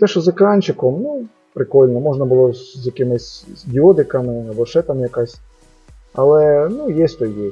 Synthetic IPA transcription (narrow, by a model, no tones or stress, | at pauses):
t̪ɛʃɔzɪkɑnʲt͡ʃɪkɔmnu | pɾɪkɔlʲnɔmɔʐnɐbʊlˠɔzjɐkɪmɪsʲdʲɪɔd̪ɪkɐmɪɐbɔʃɛt̪ɑmjɐkɑsʲ | ɐ̰lˠɛnujeɛsʲt̪ɔjje